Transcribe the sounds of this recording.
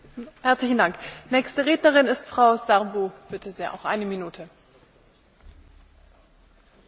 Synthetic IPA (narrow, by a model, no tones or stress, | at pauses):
hɛɐt͡slɪçn̩daŋknɛːçstəʁeːdnɐʁɪnɪstfʁ̥aʊzaʁbub̥ɪtʰəziːʔa̰ʊxʔa̰ɪnəminuːtʰə